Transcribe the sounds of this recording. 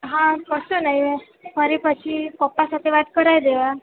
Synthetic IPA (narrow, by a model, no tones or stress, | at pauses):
ɦãkəsənaɦi | fəɾipət͡ɕʰikɔpːasat̪ʰeʋat̪kəɾajd̪eʋa